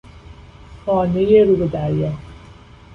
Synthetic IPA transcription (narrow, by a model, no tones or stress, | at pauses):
xɔːnejeɾuːbed̪æɾjɛ